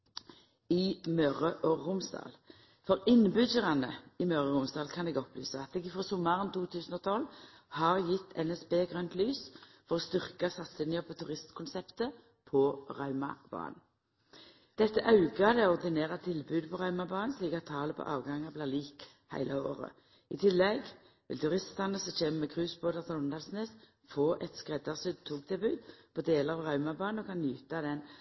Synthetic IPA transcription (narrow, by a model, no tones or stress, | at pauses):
ɪmœʁəʔɔʁʊmsd̪ɑ̰ːl | fɔʁɪnbʏdəʁɑnəɪmœʁəʁʊmsd̪ɑːlkʰɑnɛɡɔply̰ːsəɑt̪̚ɛɡɪfʁɑːsʊmːɑʁənt̪uːt̪ʰʉːsn̩oːt̪ʰɔl | hɑʁjɪt̪ːʰɛnɛsbeːɡʁœnt̪lyːsfɔʁoːst̪ʏʁkɑsɑt̪sɪnɪəpʰɔt̪ʰʉʁɪst̪kʰʊnsɛpt̪ə | pʰɔʁɑʉmɑ̰b̥ɑ̰ːnn̩ | d̪̥ɛt̪ːəʔɑʉɡɑd̪ɛɔʁd̪ɪneːʁɑt̪ʰɪlbʉːd̪pʰɔʁɑʉmɑbɑːnn̩sliːkɑt̪ʰːɑːləpʰɔ̰ʔɑ̰ːʋɡɑŋɑblæːliːk | hæ̰ɪlɑo̰ːʁə̰ | ɪt̪ʰɪlːɛɡ | ʋɪ̰lt̪ʉʁɪst̪ɑnəsɔc͡çeːməmɛkʰʁʉːsboːd̪ɑt̪ʰlʊnd̪ɑlsneːs | foːʔɛt̪skʁɛd̪ɑʁsʉd̪̚t̪ʰːuːk̚t̪ʰɪlbʉːd̪pʰɔd̪eːləʁɑʋʁɑʉmɑbɑːnəɔkʰɑnjʉːt̪ɑd̪ɛn